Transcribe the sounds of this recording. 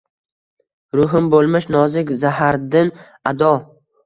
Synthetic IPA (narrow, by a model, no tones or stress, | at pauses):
ɾʊɦɪmbolˠmɪʃnɒzɪkʲzaɦaɾd̪ɪn | ad̪ɒ